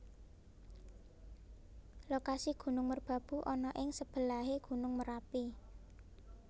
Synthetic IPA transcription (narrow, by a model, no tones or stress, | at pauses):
lokasiɡ̥ṳnʊŋmərb̥ä̤b̥ṳʔɔnɔʔɪŋsəb̥ə̤laɦeɡ̥ṳnʊŋməɾapi